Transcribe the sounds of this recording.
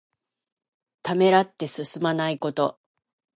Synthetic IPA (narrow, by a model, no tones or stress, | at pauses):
t̪ame̞ɾat̪ːe̞sɨsɨmanaiko̞t̪o̞